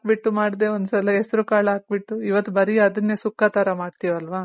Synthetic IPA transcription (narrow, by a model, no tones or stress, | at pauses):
k̚biʈːumaːɽd̪e̞ːond̪usɐlɐɛsɐɾukaːɭɐaːk̚biʈːuiʋɐt̪ːubɐɾiɐd̪ɐnːeːsukːaːt̪ɐɾɐmaːɖt̪iːʋɐlʋaː